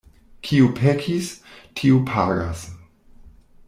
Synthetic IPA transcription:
kʰiupʰekʰistʰiupʰaɾas

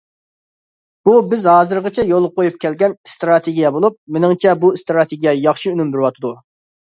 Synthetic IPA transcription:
b̥ubɪzɦɑːzɨɾʁət͡ʃʰɛjolˠqʰojup̚kʲʰɛlɡʲɛnst̪ɾɑt̪ʰeɡʲijɛbolˠup̚menɪŋt͡ʃʰɛbust̪ɾɑt̪ʰeɡʲijɛjɑχʃiynymbɪɾwɑt̪ʰɨd̪u

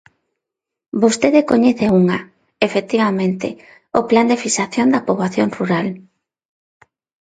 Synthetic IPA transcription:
bost̪eðekoɲeθeuŋa | efek̚t̪iβamẽnt̪ɪ̰ | opland̪efisaθjond̪ɐpoβlaθjonruɾal

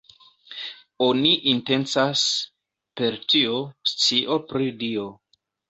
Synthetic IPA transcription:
oniʔinte̞nt͡sas | pe̞ɾtiost͡siʔo̞pɾidio̞

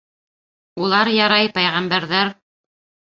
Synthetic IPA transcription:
ulˠɑɾjɑɾɑjpæjʁæmbæɾðæɾ

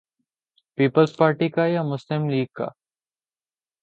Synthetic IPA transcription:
piːpəlspaːɾʈikajamʊslɪmliːɡ̚ka̰ː

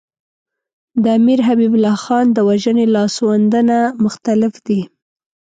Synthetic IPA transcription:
d̪əamiɾɦabibʊlɑxɑnd̪əwaʒənelɑswand̪ənamʊxt̪alɪfd̪i

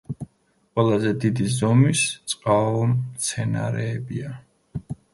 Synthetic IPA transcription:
qʼwɛlˠazɛd̪id̪izɔmist̪sʼqʼaɔmt̪sʰɛna̰ɾɛːbia

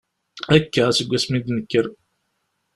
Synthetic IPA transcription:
ækːæsəɡʷːæsmid̪nəkːəɾ

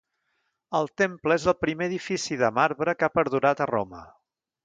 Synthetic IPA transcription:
əlˠt̪empləezəlˠpɾimeəðifisiðəmaɾβɾəkapəɾðuɾat̪əro̰mə̰

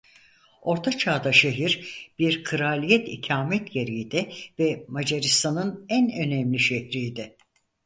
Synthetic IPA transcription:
o̞ɾt̪ʰat͡ʃʰaːd̪aʃeɦiɾb̥iɾkʰɯɾalʲijɛt̪ḭcʰaːmɛt̪jeɾijd̪ɛvɛmad͡ʒaɾist̪ʰanɯnænø̞nɛmlʲiʃɛhɾijd̪ɪ

